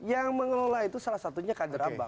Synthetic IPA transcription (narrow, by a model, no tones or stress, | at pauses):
jaŋməŋəlolait̪usalasat̪uɲakadəɾaba̰